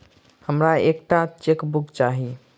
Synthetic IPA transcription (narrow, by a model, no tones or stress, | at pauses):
həmɾaekʈat͡ʃekbukt͡ʃaɦi